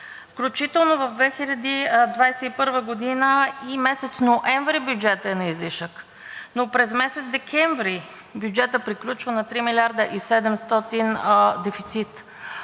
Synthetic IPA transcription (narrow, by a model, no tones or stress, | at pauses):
fklʲut͡ʃit̪ɛlˠnovəvd̪vɛxilʲɐd̪id̪vajsɛipɤɾvəɡod̪inəimɛsɛt̪snoʔɛɱvɾibʲjud͡ʒɛt̪əɛnɐizliʃək | nopɾɛzmɛsɛt̪zd̪ɛkʰɛɱvɾi | bjud͡ʒɛt̪əpɾiklʲut͡ʃvənɐt̪ɾimilʲaɾd̪əʔisɛd̪ɛmst̪ɔt̪ind̪ɛfit̪sit̪